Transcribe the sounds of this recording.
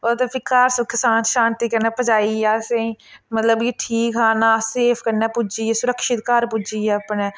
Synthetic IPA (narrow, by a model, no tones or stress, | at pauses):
oːt̪epʰɪkaːɾsʊkɪsãːnʃãːnt̪iːkəɾneːpəd͡ʒaːiaːseĩːmət̪ləbeʈʰiːkɦaːnaːseːpʰkəɾnaːpʊd͡ʒiːesʊɾəkʃɪt̪kaːɾpʊd͡ʒieəpneː